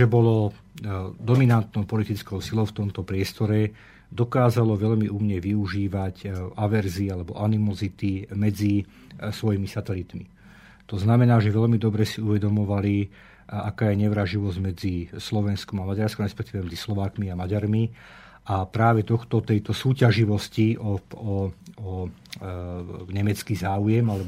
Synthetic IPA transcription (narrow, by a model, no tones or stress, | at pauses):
ʒɛbɔlɔ | d̪ɔminant̪nɔʊpɔlit̪it͡skɔʊsilɔʊft̪ɔmt̪ɔpɾɪɛst̪ɔɾɛ | d̪ɔkaːzalɔʋɛʎmiumɲɛʋiuʒiːʋacaʋɛɾziːalɛbɔ̰ʔanimɔzit̪imɛd͡zi | sʋɔjimisat̪ɛlit̪mi | t̪ɔznamɛnaːʒɛʋɛʎmid̪ɔbɾɛsiuʋɛd̪ɔmɔʋali | akaːjɛɲɛʋɾaʒiʋɔzɟmɛd͡zislɔʋɛnskɔmamaɟaɾskɔmɾɛspɛkt̪iːʋɛmɛd͡zislɔʋaːkmiamaɟaɾmi | apɾaːʋɛt̪ɔxt̪ɔt̪ɛjt̪ɔsuːcaʒiʋɔsciɔɔɔ | ɲɛmɛt͡skiːzaːujɛmalɛb